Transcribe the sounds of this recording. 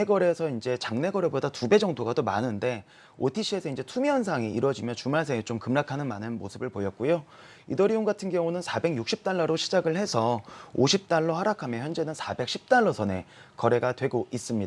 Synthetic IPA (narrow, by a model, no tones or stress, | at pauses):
eɡʌɾe̞sʰʌind͡ʑe̞t͡ɕaŋne̞ɡʌɾe̞bodatube̞d͡ʑʌŋdoɡadoma̰nɯnde̞ | otʰiɕʰie̞sʰʌind͡ʑe̞tʰumjʌnsʰaŋiiɾwʌd͡ʑimjʌnt͡ɕumaɭsʰeŋet͡ɕomkɯmɭakʰanɯnmanɯnmo̰sʰɯbɯɭpojʌt̚k͈ujo | idʌɾioŋɡatʰɯnɡjʌŋunɯnsʰabe̞ɡjuk̚ɕ͈ʰip̚t͈aɭːʌɾoɕʰid͡ʑaɡɯɭhe̞sʰʌoɕʰip̚t͈aɭːohaɾakʰamjʌnçjʌnd͡ʑe̞nɯnsʰabe̞k̚ɕ͈ʰip̚t͈aɭːʌsʰʌne̞̰ | kʌɾe̞ɡatwe̞ɡoʔis͈ɯmɲidaa